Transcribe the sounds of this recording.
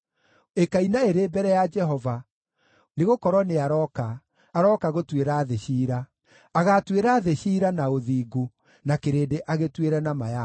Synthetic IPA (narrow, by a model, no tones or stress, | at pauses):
ekainaeɾeːbɛɾɛjad͡ʒɛɦɔva | neɣokɔɾwɔneaɾɔkaː | ɾɔkaɣotweɾaːðeɕiːɾaː | ɣatweɾaːðeɕiːɾanaoðiːɡo | nakeɾeːdeʔaɣetweɾɛnamaja